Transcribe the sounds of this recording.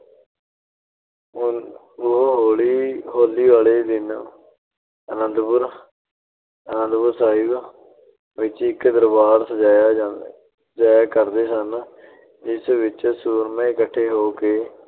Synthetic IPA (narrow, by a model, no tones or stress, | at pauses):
ʊɦɦoːɭiːɦoːliːʋaːɭeːd̪ɪn | ənənd̪pʊɾ | ənə̃nd̪pʊɾsaːib | ʋɪt͡ʃɪkd̪əɾbaːɾsəd͡ʒaːja | d͡ʒaːjaːkəɾd̪eːsən | d͡ʒɪsʋɪt͡ʃsuːɾmẽːɪkəʈʰːeːɦoːkeː